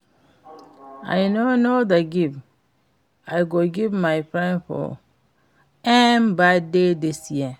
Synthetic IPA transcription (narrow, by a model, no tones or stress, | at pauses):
a̰jnonodaɡiv | ajɡoɡivmajpɹɛ̃nfɔ̰ | ɛmbadedisji